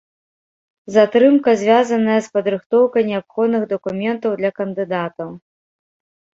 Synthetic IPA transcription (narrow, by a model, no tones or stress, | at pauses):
zat̪ɾɨmkɐzʲvʲazɐnɐjɐspɐd̪ɾɨxt̪ɔwkɐjnʲɛapxɔd̪nɨɣd̪ɐkumʲɛnt̪ɐwd̪lʲɐkɐnd̪ɨd̪at̪ɐw